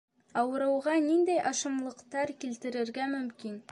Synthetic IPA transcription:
ɑwɤ̆ɾɤ̆wʁɑnind̪æjʔɑʃɤ̆mlˠɤ̆qt̪ɑɾkilt̪ɘ̆ɾɘ̆ɾɡæmɵ̆mkin

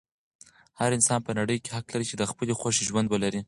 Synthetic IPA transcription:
haɾɪnsɑnpənaɽəjkehaklaɾit͡ʃed̪əxpəlexwaʃiʒwand̪wəlaɾi

